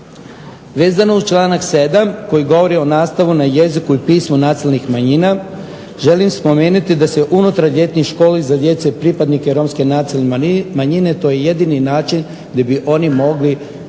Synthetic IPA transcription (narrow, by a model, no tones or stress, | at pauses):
ʋe̞ːzano̞ust͡ʃlˠaːnakse̞d̪amko̞jiɡo̞ʋo̞ɾio̞naːst̪aʋunaje̞zikuipiːsmunaːsilnixmaɲina | ʒe̞limspo̞me̞ːnut̪id̪aseʔunut̪ɾaɾʎe̞t̪nixʃko̞ːlizad̪je̞t̪sepɾipad̪nikeɾo̞mske̞nasilnmaɲine̞t̪o̞ːjeje̞d̪ininaːt͡ʃin | d̪abiʔo̞nimo̞ɡli